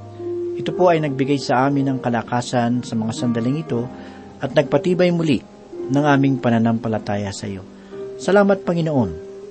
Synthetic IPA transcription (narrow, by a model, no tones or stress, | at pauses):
ʔɪt̪opo̞ʔɐjnɐɡ̚bɪɡajsɐʔaːmɪnːɐŋkɐlɐkaːsɐnsɐmɐŋasɐnd̪ɐlɪŋɪt̪o̞ | ʔɐt̪̚nɐɡ̚pɐt̪iːbɐjmʊli | nɐŋʔaːmɪŋpɐnɐnɐmpɐlɐt̪aːjɐsɐ̰jo̞̰ | sɐlaːmɐt̪̚pɐŋɪnoʔo̞n